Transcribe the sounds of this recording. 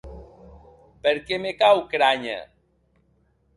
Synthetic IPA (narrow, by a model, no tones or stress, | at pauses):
peɾkemekawkɾaɲḛ